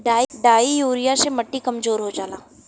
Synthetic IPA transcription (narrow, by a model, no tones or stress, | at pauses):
ɖaːɖaːijoːɾijasemɐʈːikɐmzoːɾɦod͡ʒaːlaː